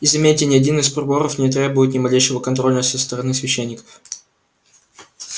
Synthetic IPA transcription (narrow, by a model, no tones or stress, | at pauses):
izɐmʲetʲɪnʲɪɐdʲinɨsprʲɪboɾəfnʲɪt̪ɾʲe̞bʊjɪt̪̬nʲɪmɐlʲejʂɪvəkɐnt̪ɾo̞lʲnəsʲəst̪əɾɐnɨsvʲɪɕːenʲːɪkə̥f